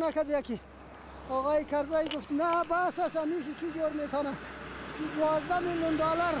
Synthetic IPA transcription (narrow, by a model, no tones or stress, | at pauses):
nakad̪ejaki | ɑɣɑːikɐɾzajɡuft̪nabasasamiʃ̬ik̪ʰid͡ʒoːɽmet̪ʰɑna | d̪wɑːzd̪amiljunɖɑːlaɾ